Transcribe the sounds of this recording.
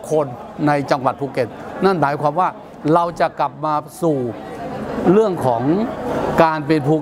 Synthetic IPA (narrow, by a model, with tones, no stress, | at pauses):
kʰo˧nː | a˧jt͡ɕa˧ŋwa˨˩t̪̚pʰuː˧ke˨˩t̪̚na˥˩nmaː˩˦jkʰwaː˧mwaː˥˩ | ɾa˧wt͡ɕa˨˩ʔkla˨˩p̚maː˧suː˨˩ | ɾɯ˥˩əŋkʰɔː˩˦ŋkaː˧np̬e˧npʰuː˧